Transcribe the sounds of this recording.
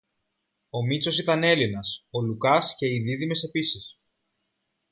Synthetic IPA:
o̞mit͡so̞sit̪ɐne̞linɐso̞lukɐsce̞iðiðime̞se̞pisis

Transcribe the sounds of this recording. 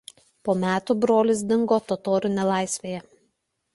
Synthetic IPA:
poːmʲæːt̪uˑbɾoːlʲɪs̬d̪ʲɪŋɡoːt̪ɔt̪oːɾʲɪnʲɛlˠɑɪsʲʋʲeːjɛ

